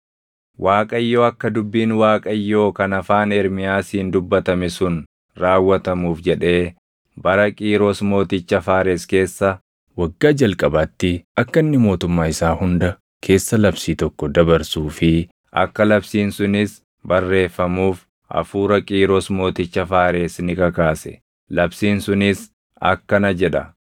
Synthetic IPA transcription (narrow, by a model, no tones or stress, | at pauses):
wʔaːkʼɐɪjːo̞ːɐkːɐd̪ʊbːiːnwaːkʼɐɪjːo̞ːkɐnɐfaːnɛɾmɪjaːsiːnd̪ʊbːɐt̪ɐmɪsʊn | ɾaːwːɐt̪ɐmuːfd͡ʒɛᶑe̞ː | bɐɾɐkʼiːɾoːsmo̞ːt̪ɪt͡ʃːɐfaːɾeske̞ːsːɐ | wɐɡːaːd͡ʒɐlkʼɐbɐt̪ːɪɐkːɐɪnːɪmo̞ːt̪ʊmːaːɪsaːhʊnd̪ɐ | kʰe̞ːsːɐlɐbsiːt̪ɔkːɔd̪ɐbɐɾsuːfɪ | ʔɐ̰kːɐlɐbsiːnsʊnɪs | bɐrːe̞ːfːɐmuːf | ʔɐ̰fuːɾɐkʼiːɾoːsmo̞ːt̪ɪt͡ʃːɐfaːɾe̞ːsnɪkɐkaːsɛ̥̰ | lɐbsiːnsʊnɪs | ɐ̰kːɐnɐd͡ʒɛᶑɐ